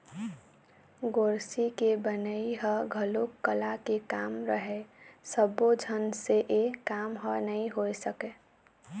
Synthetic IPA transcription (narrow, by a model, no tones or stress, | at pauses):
ɡoːɾsikebənəiɦəɡʱəlokːəlakekaːmɾəɦesəbod͡ʒʱənseʔekaːmɦənəɦĩɦoesəke